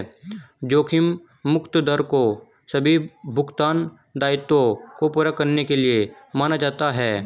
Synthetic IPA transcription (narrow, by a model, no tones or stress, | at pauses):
d͡ʒoːkʰɪmː | ʊkt̪əd̪əɾko | sɐbʱibʱʊɡt̪aːn | d̪aːɪt̪õkopʊɾakːɐɾnekeliemaːnad͡ʒaːt̪aɦɛː